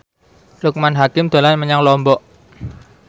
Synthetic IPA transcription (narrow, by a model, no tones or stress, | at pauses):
lʊk̚manɦakɪmd̪̥a̤lanməɲaŋlɔmbɔʔ